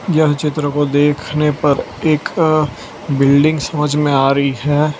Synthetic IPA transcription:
jɐɦt͡ʃɪt̪ɾəkod̪eːkʰnepɐɾ | eːk | bɪlɖɪ̃ŋɡsɐməd͡ʒʱmẽaːɾɐɦiɦɛː

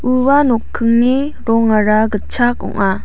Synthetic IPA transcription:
ubanɔkʰːɯŋni | ɾɔŋaɾaɡɯt͡ʃʰak̚ɔ̰ŋa

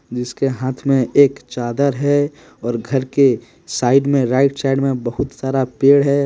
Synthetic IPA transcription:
d͡ʒɪskeɦaːt̪ʰmẽʔeːkt͡ʃaːd̪əɾɦɛ | ɔːɾɡʱɐɾke | saːɪɖmẽɾaːɪʈsaːɪɖmẽbɐɦʊt̪saːɾapeːɽɦɛ

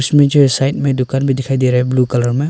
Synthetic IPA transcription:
smẽd͡ʒoɦɛsajʈmẽd̪ʊkanbʱid̪ɛkʰajd̪iɾaɦɛblukɐləɾmẽ

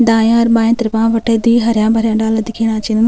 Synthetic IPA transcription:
d̪ãːjãːɾbãːẽːt̪ɾpãːʋəʈːeːd̪iːɦəɾjãːbəɾjãːɖaːləd̪ɪkʰeːɽãːt͡ʃɪnn

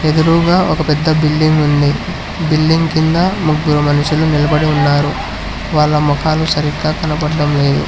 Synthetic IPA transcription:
ed̪uɾuɡaːʔɔkɐpɛd̪ːɐbilːiŋɡund̪i | bilːiŋɡkind̪ɐmuɡːuɾumɐnuʂulunilɐbɐɽiunːaːɾu | ʋaːɭːɐmɔkʰaːlusɐɾikːaːkɐnɐpɐɽɐɖɐmle̞ːd̪ṵ

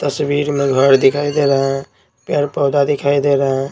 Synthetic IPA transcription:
t̪əsbiɾmẽɡʱəɾd̪ikʰaid̪eɾəɦẽ | peɾpɔd̪ad̪ikʰajd̪eɾəɦɛ̃

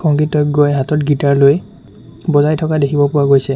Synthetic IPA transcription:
kʰɔŋɡitɔɡojɦatɔtɡitaɹloj | bɔzajtʰɔkadekʰibɔpʊwaɡojsɛ

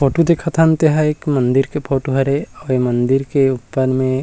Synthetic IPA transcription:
pʰoːʈud̪ekʰat̪ʰant̪eɦaekmɐ̃nd̪ɪɾkepʰoːʈoɦɐɾeɔemɐ̃nd̪ɪɾkeʊpːənmẽ

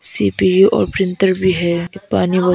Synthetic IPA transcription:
siːpijuʔɔ̰ːɾpɾɪ̃nt̪əɾbʱiɦɛːpaːniʋɔ

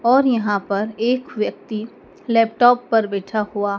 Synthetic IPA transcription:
ɔːɾjɐɦãpɐɾeːkʋjɐk̚t̪i | lɛːp̚ʈɔːpːɐɾbɛːʈʰahuaː

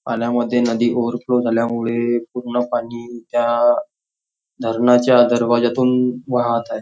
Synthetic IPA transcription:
a̰ljaməd̪ʱːjenəd̪iːʔoʋəɾflod͡zʱaljamuɭepuɾɳəpaɽ̃iːt̪ja | d̪ʱəɾɳat͡ɕjad̪əɾʋad͡zat̪uːnʋəɦat̪ae

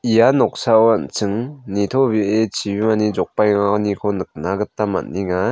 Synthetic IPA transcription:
ianɔk̚sawant͡sʰɯŋnitʰɔbiet͡ɕʰibimanid͡ʒɔk̚pajŋanikʰɔnɯk̚naɡɯtːama̰nːiŋa

